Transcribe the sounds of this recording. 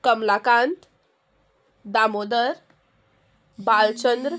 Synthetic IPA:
kəmlakãnt̪ | d̪amod̪əɾ | balt͡ɕənd̪ɾ

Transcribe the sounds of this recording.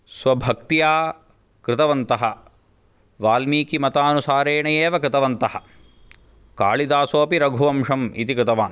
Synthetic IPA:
sʋɐbʱɐkt̪ijaː | kɾɪt̪ɐʋɐnt̪ɐɦɐ | ʋaːlmiːkimɐt̪aːnusaːɾeːɳɐjeːʋɐkɾɪt̪ɐʋɐnt̪ɐhɐ | ka̰ːɭid̪aːsoːpiɾɐɡʱuʋɐmʂɐmḭt̪ikɾɪt̪ɐʋaːn

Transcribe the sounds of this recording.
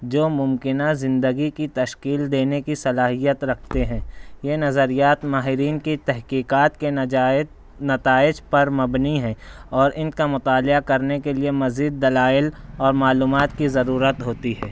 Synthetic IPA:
d͡ʒoːmʊ̃mkɪnazɪ̃nd̪əɡikit̪ɐʃkiːld̪eːnekisɐlaːɦijət̪ɾɐkʰt̪eɦɛ̃ːjenɐzəɾijaːt̪maːɦɪɾiːnkit̪ɛɦkiːkaːt̪ke | nɐt̪aːɪd͡ʒpɐɾmɐbniɦɛ̃ːɔːɾʔɪnkamʊt̪aːlɪakɐɾnekeliemɐziːd̪ːɐlaːɪlɔːɾmaːluːmaːt̪kizɐɾuːɾət̪ɦoːt̪iɦɛː

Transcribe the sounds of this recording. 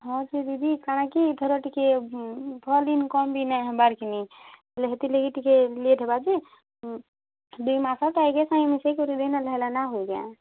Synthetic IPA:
ɦɔ̃d͡ʒid̪id̪ʱikanakid̪ʱəɾəʈike | pʰəlinkɔmbʱinaɦbaɾkini | leɦet̪ileɡiʈikeleʈʰebad͡ʒi | d̪emasat̪ajkesãĩmesekoɾid̪enaləɦelanaɦoiɡa̰

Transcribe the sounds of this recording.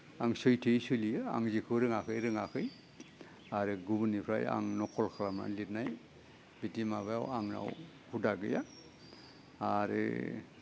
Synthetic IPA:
aŋsɔjtʰɯjsulijɯa̰ŋzikʰɯɾɯŋakʰɯjɾɯŋakʰɯj | aɾɯɡubɯnipʰɾa̰ja̰ŋnɔkʰɔlkʰalama̰nlit̚naj | bitimabaja̰waŋɾa̰w | hudaɡɯja̰ | ɾɯ̰

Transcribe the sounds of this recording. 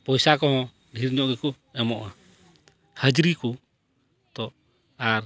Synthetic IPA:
pɔjsakɔɦɔ̃ | ɖʱiɾɲɔʔɡɛku | ɛmɔʔa | həd͡ʒɾiku | t̪ɔʔ | aɾ

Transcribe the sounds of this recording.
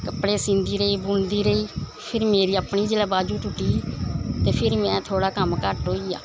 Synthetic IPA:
kəpɽeːsɪ̃nd̪iːɾəiːbʊnd̪iːɾəiː | pʰɪɾmeːɾiːəpɳiːd͡ʒɪlaːbaːd͡ʒuːt̪ʊʈiːt̪eːpʰɪɾmɛ̃ːt̪ʰoːɽaːkəmkəʈɦoːiːa̰ː

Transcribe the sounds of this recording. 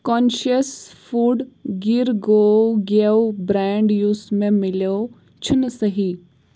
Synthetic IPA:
kɔːnʃəsfuːɖɡiɾɡoːɡewbɾɛːɳɖjuːsmẽmɪlo | t͡ʃʰʊnsəɦi

